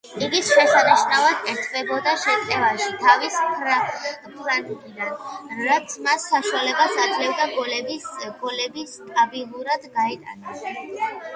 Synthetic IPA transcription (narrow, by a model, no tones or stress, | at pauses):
iɡisʃɛsaniʃnavad̪ʼɛɾt̪ʰvɛbɔd̪aʃɛt̪ʼɛvaʃit̪ʰavispʰ | pʰɾaɾɡʼid̪anɾat̪sʰmasːaʃualɛbasad̪zlɛvd̪aɡɔlɛbiɡ̥ɔlɛbist̪ʼabilˠuɾad̪ɡaɛt̪ʼanas